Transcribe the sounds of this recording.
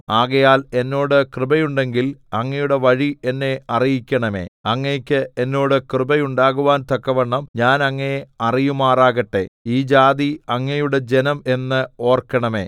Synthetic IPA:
aːɣɐjaːle̞nːo̞ːɽɨkrɨbɐjuɳɖe̞ŋɡilɐŋːɐjuɽe̞ʋɐɻie̞nːe̞ɐrijikʲːɐɳɐme̞̰ːɐŋːejkʲːɨenːo̞ːɽɨkrɨbɐjuɳɖaːɣuʋaːnt̪ɐkːɐʋɐɳːɐmɲaːnɐŋːɐeɐrijumaːraːɣɐʈːe̞̰iːd͡ʑaːðiɐŋːɐjuɽe̞d͡ʑe̞nɐme̞nːɨo̞ːrkːɐɳɐme̞̰ː

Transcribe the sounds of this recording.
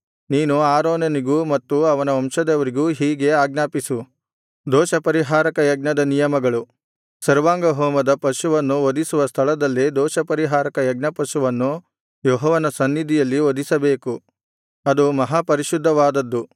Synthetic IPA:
niːnuaːɾoːneniɡuːmɐt̪ːuɐʋɐnɐɐmʃɐd̪eʋɐɾiɡuːɦiːɡe̞aːɡnaːpisu | d̪ɔːʃɐpɐɾiɦaːɾɐkɐjɐɡ̚nɐd̪ɐnijɐmɐɡɐɭu | sɐɾʋaːŋɡɐɦɔːmɐd̪ɐpɐʃuʋɐnːuʋod̪isuʋɐst̪ʰɐɭɐd̪ɐlːid̪ɔːʃɐpɐɾiɦaːɾɐkɐjɐɡ̚nɐpɐʃuʋɐnːu | joːɦɔʋɐnɐsɐnːid̪ijɐlːiʋod̪isɐbe̞ːku | ɐd̪umɐɦaːpɐɾiʃud̪ʱːɐʋaːd̪ɐd̪ːu

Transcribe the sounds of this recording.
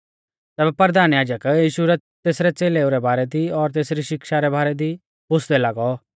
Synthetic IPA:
t̪ɛːbɛpɐɾəd̪aːnjaːd͡ʒəkjiːʃuɾɛ | t̪eːsɾɛt͡seːleuɾɛbaːɾɛd̪iɔɾt̪eːsɾiʃɪkʃaɾɛbʱaːɾɛd̪i | bʊsd̪ɛlaːɡɔ

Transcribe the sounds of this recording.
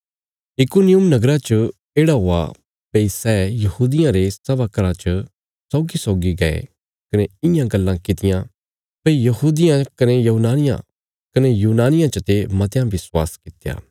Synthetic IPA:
ɪkunɪjʊmnɐɡɾat͡ʃə | eːɽaɦoːa̰ | peisɛːjɐhuːd̪ɪjãɾesɐʋakɐɾãt͡ʃə | sɔːɡisɔːɡiɡɐḛ | kɐneɪjãɡɐlːãkɪt̪ɪjã | pɐijɐɦuːd̪ɪjãkɐnejɐɦunaːnɪjã̰ | kɐnejuːnaːnɪjãt͡ʃət̪emɐt̪jãʋɪswa̰ːskɪt̪eja̰ː

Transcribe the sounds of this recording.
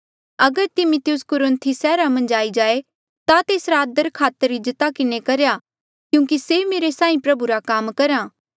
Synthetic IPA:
ɐɡəɾt̪ɪmʊt̪ɪjʊskʊɾənt̪ʰisɛːɾamɐ̃nd͡ʒaːid͡ʒaːe | t̪at̪eːsɾad̪əɾkʰaːt̪əɾɪd͡ʒət̪akɪnekɐɾeja | kjũːkisemeːɾesãːĩpɾɐbuɾakaːmkɐɾãː

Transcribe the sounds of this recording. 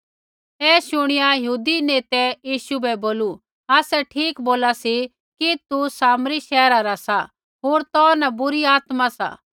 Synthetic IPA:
ɛːʃʊɽ̃ɪjajɦuːd̪ineːt̪ɛjiːʃubɛboːlu | aːsɛʈʰiːkboːlasi | kit̪usaːmɾiʃɛːɾaɾasa | ɦoːɾt̪ɔːnabʊɾiaːt̪masa̰ː

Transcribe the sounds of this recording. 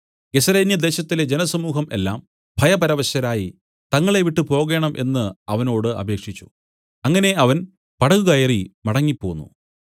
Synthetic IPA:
ɡe̞sɐɾeːnjɐd̪e̞ːɕɐt̪ːile̞d͡ʑe̞nɐsɐmuːɦɐmʔe̞̰lːaːm | bʱɐjɐpɐɾɐʋɐɕjɐɾaːji | t̪ɐŋːɐɭe̞ʋiʈːɨpo̞ːɣe̞ːɳɐmʔe̞̰nːɨɐʋɐno̞ːɽɨɐ̰bʱe̞ːkʂit͡ɕːu̥ | ɐŋːɐne̞ɐʋɐn | pɐɽɐɣuɣɐjerimɐɽɐŋːipːo̞̰ːnːṵ

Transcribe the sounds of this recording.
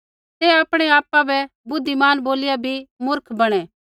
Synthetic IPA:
t̪ɛaːpɽ̃ɛaːpabɛ | bʊd̪ːimaːnboːlɪjabʱimʊɾkʰbɐɽ̃ɛ̃ː

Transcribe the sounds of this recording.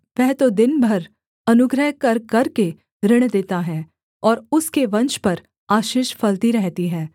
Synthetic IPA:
ʋɛɦt̪od̪ɪnbʱɐɾ | ɐnʊɡɾəɦkɐɾkɐɾke | ɾɪɽ̃d̪eːt̪aɦɛː | ɔːɾʊskeʋɐ̃nt͡ʃpɐɾ | aːʃiːʃfɐlt̪iɾɛɦt̪iɦɛ̃ː

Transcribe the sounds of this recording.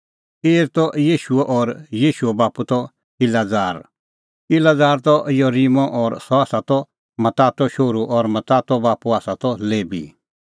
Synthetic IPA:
eːɾt̪ɔʔjiːʃueʔɔːɾjiːʃuɛbaːput̪ɔ | ɪlad͡zaːɾ | ɪlad͡zaːɾt̪ɔɪjɔɾimɔ̃ʔɔːɾsɔaːsat̪ɔ | mɐt̪aːt̪ɔʃoːɾuʔɔɾmɐt̪aːt̪ɔbaːpuaːsat̪ɔleːbḭ

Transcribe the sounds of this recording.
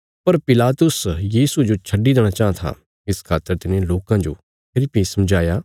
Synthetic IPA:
pɐɾpɪlaːt̪ʊsjiːsud͡ʒot͡ʃʰɐɖid̪eːɽ̃ãt͡ʃaːãt̪ʰa̰ | ɪskʰaːt̪ːəɾt̪ɪnẽloːkãd͡ʒo̰ː | pʰɪlɪpɪsmd͡ʒaːjaː

